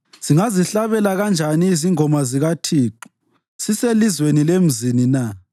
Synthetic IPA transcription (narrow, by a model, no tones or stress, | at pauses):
z̥iŋaziɬaβɛlaɣand͡ʒʱaniːziŋɔmaziɣatʰiːǃu | siselizwenilem̩zinina